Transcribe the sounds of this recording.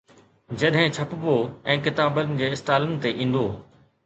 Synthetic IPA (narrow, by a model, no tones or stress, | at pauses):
d͡ʑɐɗɦɪ̃t͡ɕʰɐpɪboɛ̃ːkɪt̪aːbənɪ̆d͡ʑeːɪst̪aːlənɪ̆t̪eʔĩːn̆d̪oː